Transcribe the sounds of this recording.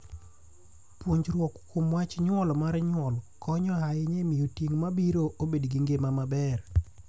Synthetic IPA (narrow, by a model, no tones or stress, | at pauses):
pwoɲd͡ʒɾwɔkkomwat͡ʃɲwɔlmaɾɲwɔlkɔɲɔɦajeɲemijotjeŋmabiɾoʔobedɡiŋɡemamabɛr